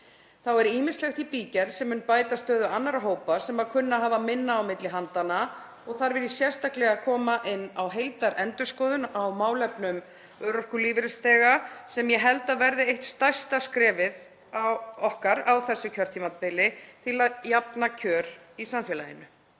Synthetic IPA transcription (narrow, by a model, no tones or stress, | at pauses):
θawɛɾiːmɪnst̪lɛxt̪ipiːcɛɾ̥sɛmːʏnpaːjt̪ast̪œːðʏanːaɾaɦoːwpasɛmaðkʰʏnːaɦaːvamɪnːaːwmɪt̪lɪɦant̪ana | ɔɣθaɾvɛɾɪsjɛr̥st̪aklɛɣakʰɔːmaʔɪnːawɦejlt̪aɾʔɛnt̪ʏskɔːðʏnawmaːwlɛpnʏm | œːɾɔhkʏliːvɪɾɪst̪ɛːɣasɛmjɛɦɛlt̪aðvɛɾðɪejht̪st̪ajst̪askɾɛːvɪð | awɔhkaɾawθɛsːʏcʰœr̥t̪ʰimat̪̚pɪlɪt̪ʰɪlaðjapnacʰœːɾ̥ | isamfjɛlajɪ̰nʏ